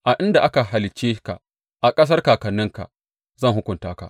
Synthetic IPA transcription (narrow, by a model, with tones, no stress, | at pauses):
ʔa˨ʔɪ˦nda˨ʔa˦ka˨ɦa˨lɪ˨keː˦ka̰˨ | ʔa˨kʼɐ˦s̬ɐ˦rkaː˨kɐ˨nːɪ˦ŋka̰˨ | zɐ˦˨ŋɦʊ˦kʷʊ˨ntaː˦ka̰˨ʔ